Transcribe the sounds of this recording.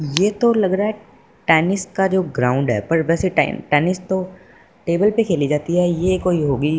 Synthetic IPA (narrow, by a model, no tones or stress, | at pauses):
jeːt̪olɐɡɾaːɦɛ | ʈɛːnɪskad͡ʒoːɡɾaːʊ̃ɳɖɦɛ̰ːpɐɾʋɛːseʈːʈɛːnɪst̪o | ʈeːbəlpekʰeːlid͡ʒaːt̪iɦɛjekoːiɦoːɡiː